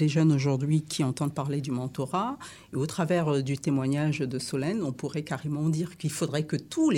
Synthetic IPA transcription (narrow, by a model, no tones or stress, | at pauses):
d̪eʒœnoʒuʁd̪ɥikʲʰiɑ̃t̪ɑ̃d̪̚paʁled̪ymɑ̃t̪ɔʁa | eot̪χavɛʁd̪yt̪emwaɲaʒd̪əsɔlɛnɔ̃puʁɛkaʁemɑ̃d̪iʁkilfod̪ʁɛkət̪ule